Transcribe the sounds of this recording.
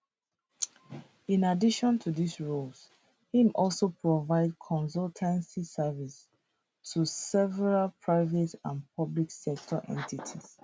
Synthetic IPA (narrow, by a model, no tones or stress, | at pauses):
ĩnadiʃɔ̃ntʰudisɹuls | hĩmɔlˠsopʰɹovaɪd̚kʰɔ̃ns̬ɔltʰə̃nsisɛvis | tusɛvɛɹalpʰɹaɪvɛtãnpʰʌbliksɛk̚tʰɔʔɛ̰̃ntitʰis